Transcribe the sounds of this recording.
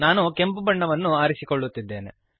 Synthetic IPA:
naːnuke̞mpubɐɳːɐʋɐnːuaːɾisikoɭːut̪ːid̪ːe̞ːnḛ

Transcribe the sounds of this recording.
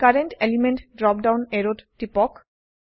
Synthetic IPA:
kaɾeɳʈelimeɳʈɖɾɔp̚ɖawneɾotʈipɔk

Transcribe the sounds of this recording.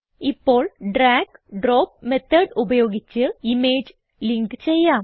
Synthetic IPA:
ipːo̞ːɭɖɾaːkɖroːp̚met̪ʰːɐɖubɐjo̞ːɡit͡ɕːɨimeːd͡ʑ | liŋɡɨt͡ɕejːaːm

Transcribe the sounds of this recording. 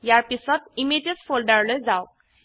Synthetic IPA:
jaɾpisɔt̪imetesfolɖaɾlɔjd͡zaw

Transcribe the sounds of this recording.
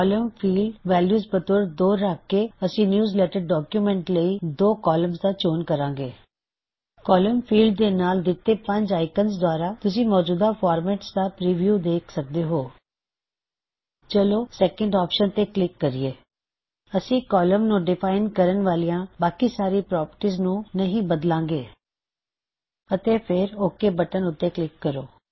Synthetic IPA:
ɔləmpʰiːlɖʋɛːljuːzbət̪oːɾd̪oːɾːaːkːeːəsĩːnjuːzlɛːʈəɾɖɔːkjumɛ̃ɳʈləiːd̪oːkɔːləmzd̪aːt͡ʃoːnkəɾãːŋɡeː | kɔːləmpʰiːlɖ̚d̪eːnaːld̪ɪt̪ːeːpəɲd͡ʒaːɪkənzd̪ʊaːɾaːt̪ʊs̬ĩːmɔːd͡ʒuːd̪aːpʰɔːɾmɛːʈsd̪aːpɾiːʋjuːd̪eːkʰsək̚d̪eːɦoː | t͡ʃəloːsɛːkəɳɖɔːpʃənt̪eːklɪkːəɾiːeː | əsĩːkɔːləmnũːɖɪpʰaːɪnkəɾənʋaːlijãːbaːkiːsaːɾiːpɾɔːpəʈiːznũːnəɦĩːbəd̪lãːŋɡeː | ət̪eːpʰɪɾoːkːeːbəʈənʊt̪ːeːklɪkːəɾoː

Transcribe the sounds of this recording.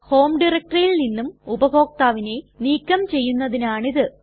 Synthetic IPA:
ho̞ːmɖirɐk̚ʈɐrjilninːumubɐɦo̞ːk̚t̪aːʋine̞niːkːɐmt͡ɕe̞jːunːɐðinaːɳiðɨ

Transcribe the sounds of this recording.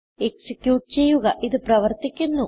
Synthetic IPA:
eksikjuːʈ̚t͡ɕe̞jːuɣɐʔiðɨprɐʋɐrt̪ikʲːunːu

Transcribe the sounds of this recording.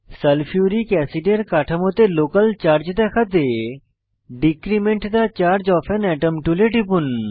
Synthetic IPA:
sɐlpʰijuːɾikɛːsiɖeɾkaːʈʰəmot̪eloːkəlt͡ʃaːɾd͡ʒd̪ɛkʰɐd̪e | ɖikɾimeɳʈd̪at͡ʃaːɾd͡ʒɔːfʰɛnɛːʈəmʈuleʈipun

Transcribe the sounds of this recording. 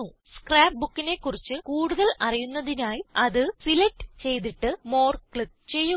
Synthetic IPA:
u | skraːp̚bukːine̞kːurit͡ɕːɨkuːɽuðɐlɐrijunːɐðinaːjiɐðɨsilɐʈːɨ̥t͡ɕe̞jt̪̬iʈːɨmo̞ːrkɭit̪̚t͡ɕe̞jːu

